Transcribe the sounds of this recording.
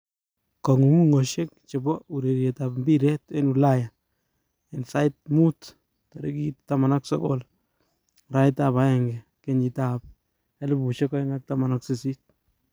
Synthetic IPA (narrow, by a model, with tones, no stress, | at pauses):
kɔ˨ŋu˨ŋu˦ŋo˨ʃek̚t͡ʃe˨bɔu˨ɾe˨ɾjetapmbiɾe˦te˦nulaja | ensa˦jt̚mu˦t | tɔ˨ɾḛkittːama˨naksɔ̰ko̰˦l | ɾa˦jtaba˦ɛŋɡɛ | keɲi˨tap̚ | ɛ˦lɪ˦bu˨ʃe˦kɔ˦ŋa˦k̚tama˨naksi˦si˦t̚